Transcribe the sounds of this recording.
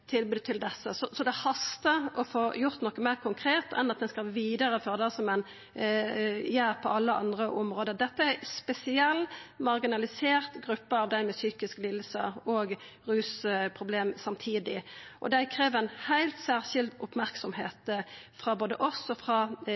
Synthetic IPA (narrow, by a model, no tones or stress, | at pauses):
t̪ʰɪlbʉːd̪̚t̪ʰɪld̪ɛsːəsɔsɔd̪ɛhɑst̪əʔɔfoːjʊʁt̪nɔkːəmæɪʁkʰʊŋkʰɾeːt̪ɛnɑt̪̚d̪ɛnskɑlʋiːd̪əʁəfɔʁd̪æsɔmɛn | jæːɾpʰɔɑlːəʔɑ̰nd̪ʁəʔʊmʁoːd̪əʁd̪ɛt̪ːəæspɛsɪɛlːmɑʁɡɪnɑlɪseːʁt̪ɡʁʉpːəɑʋd̪æɪmɛsyːkɪsklɪlsə̰ɔːɡʁʉːspʰʁʊbleːmsɑmt̪ʰiːd̪ɪʔɔ̰d̪æɪkʰɾeːʋænhæɪlt̪sæːʁʃɪld̪ʊpmæʁksɔmheːt̪fɾɑboːd̪ə̰ʔɔsɔfʁɑ